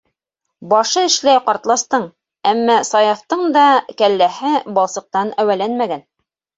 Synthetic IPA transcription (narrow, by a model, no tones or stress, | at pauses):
bɑʃɤɘ̆ʃlæjqɑɾt̪lˠɑst̪ɤɴ | æmːæsɑjɑft̪ɤɴd̪ɑkælːæhɘbɑlˠsɤ̆q̚t̪ɑnæwælænmæɡæn